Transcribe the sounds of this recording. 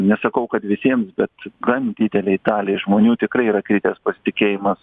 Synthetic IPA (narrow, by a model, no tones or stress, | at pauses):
nʲɛsɐkɐʊkɐt̪ʋʲɪsʲiɛmsbʲɛt̪ɡɐnʲd̪ʲiːd̪ʲɛlʲɛɪt̪ɑːlʲeɪʒmoːnʲuːt̪ʲɪkɾɐɪiːɾɐkɾʲiːt̪ʲeːspɐsʲɪ̥t̪ʲɪkʲeːjɪmɐs